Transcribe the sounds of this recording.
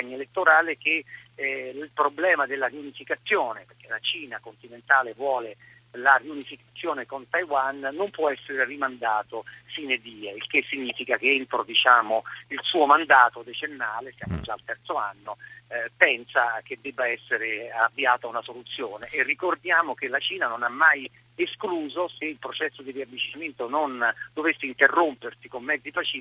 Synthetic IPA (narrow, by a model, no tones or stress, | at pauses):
paɲːelet̪ːoɾaːlek̟e | lpɾoblɛːmad̪elːariunifikat̪sːjoːneperk̟elat͡ʃiːnakont̪inent̪aːlevwɔːle | lariunifikat̪sːjoːnekont̪ajwanːompwɔɛsːeɾerimand̪aːt̪ofiːned̪iːailkesːiɲːiːfikak̟eent̪ɾod̪it͡ʃaːmoilsuːomand̪aːt̪od̪et͡ʃenːaːlesja̰ːmo̰d͡ʒaːlt̪ɛrt̪soa̰nːopɛnsak̟ed̪ːɛbːaɛsːeɾeavːiaːt̪aunasolut̪sːjoːneʔːrːikord̪jaːmokelat͡ʃiːnanonamːaj | eskluːzoseilpɾot͡ʃɛsːod̪iriavːit͡ʃinament̪onond̪ovesːeint̪erːompersikomːɛd̪zːipfat͡ʃiː